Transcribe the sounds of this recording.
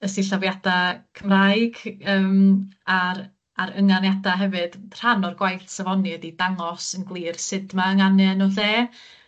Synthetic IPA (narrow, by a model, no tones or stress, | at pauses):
əsiɬavjad̥akʰəmraɨɡ̥əːmaɾ | aɾəŋanjadaɦɛvɨd̥r̥anɔrɡwajθsavɔnɨədidaŋɔsənɡlˠiːrsɪdmaəŋanɛnɔɬeː